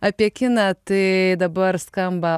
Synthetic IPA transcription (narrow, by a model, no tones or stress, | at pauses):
apʲekʲinat̪ɨd̪abəɾskamba